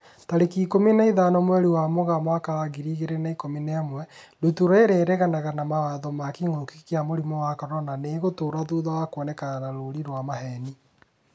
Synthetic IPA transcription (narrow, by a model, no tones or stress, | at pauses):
taɾekikomineiðanɔmwɛɾiwamoɣamwakaɾaɣiɾiɣeɾenaikomineamwɛ | dutuɾɔeɾeɾɛɣanaɣanamawaðɔmakiŋokikeamoɾimɔwakɔɾɔnaneɣotoːɾaðuːðawakwɔnɛkananaɾoɾiɾwamaɦɛni